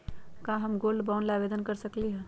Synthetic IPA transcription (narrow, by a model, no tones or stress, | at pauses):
kaɦɐmɡoːlbaʊnlaːʋeːd̪ənkəɾsəkliɦɛː